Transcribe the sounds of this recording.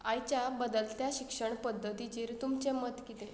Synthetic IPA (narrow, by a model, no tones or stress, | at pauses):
ajt͡ɕjabəd̪əlt̪jaɕikʂəɳpəd̪ʱːət̪it͡ɕiːɾt̪umt͡ɕemət̪kit̪e